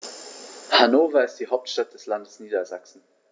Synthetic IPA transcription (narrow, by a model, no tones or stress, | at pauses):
hanoːfɐɪstd̥iːɦaʊp̚tʃtat̚d̥ɛslandəsniːdɐza̰ksn̩